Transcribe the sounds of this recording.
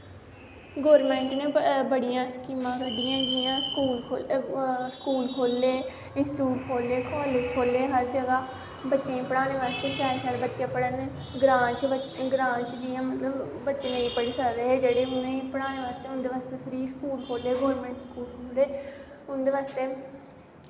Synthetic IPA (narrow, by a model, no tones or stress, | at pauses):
ɡoːɾmɛ̃ːɳʈnẽːbəɽijãːskiːmãːkəɖiːãːd͡ʒɪjãːskuːlkʰoːskuːlkʰoːlːeː | ɪnsʈuːʈkʰoːlːeːkʰɔːlɪd͡ʒkʰoːleːɦəɾd͡ʒəɡaː | bətːʃẽːĩpəɽaːneːʋaːst̪eːʃaːɾʃaɽbətːʃẽːpəɽəneː | ɡɾãːt͡ʃəɡɾãːt͡ʃd͡ʒijãːmət̪ləbːətːʃeːnəĩːpəɽiːsəkd̪eːɦeːd͡ʒeːɽeːʊnẽːĩpəɽaːneːʋaːst̪eːʊ̃nd̪eːʋaːst̪eːpʰɪɾiːskuːlkʰoːleːɡoːɾmɛ̃ːɳʈskuːlkʰoːleː | ʊnd̪eːʋaːst̪eː